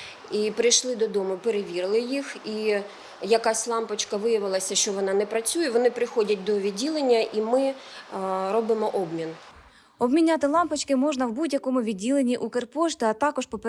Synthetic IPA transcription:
ipɾɪjʃlˠɪd̪ɔd̪ɔmʊpeɾeʋʲiɾlˠɪjixi | jɐkɑsʲlˠɑmpɐt͡ʃkɐʋɪjɐʋɪlˠɐsʲɐʃt͡ʃɔʋɔnɑnɛpɾɐt͡sʲujɛʋɔnɪpɾɪxɔdʲɐt̚ʲd̪ɔʋʲid̚ʲːilˠenʲːɐʔimɪ | ɾɔbɪmɔʔɔbmʲin | ɔbmʲinʲat̪ɪlˠɑmpɐt͡ʃkɪmɔʒnɐwbudʲjɐkɔmʊʋʲid̚ʲːilˠenʲiʔukerpɔʃt̪ʲiɐt̪ɑkɔʃpɔp

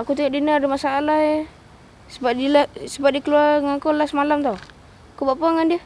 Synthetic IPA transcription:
akut̪iŋaʔdinardimasaːlahe | səbadilasəbat̪̚dikəluaŋakɔlasmalamt̪ɔ | akubaʔpaŋandia

